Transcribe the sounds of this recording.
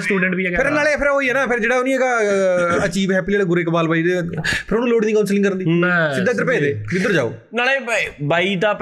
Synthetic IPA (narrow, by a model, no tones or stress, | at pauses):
sʈuːɖɛ̃ɳʈʋiːɛkpɪɾnaːleːpʰɪɾɦoːiːɛːnaːpʰɪɾd͡ʒeːɽaːonĩɛːɡa | ət͡ʃiːʋɦɛːpiːeːleɡʊɾeːkəbaːlbaːiːd̪epʰɪɾoːnũloːɽiːd̪iːkaʊnsəlɪ̃ŋkəɾənd̪iːsɪd̪ːaːɪd̪əɾpeːd̪eːbɪd̪əɾd͡ʒa̰ːo̰ː | naːleːbaːiːt̪ãːp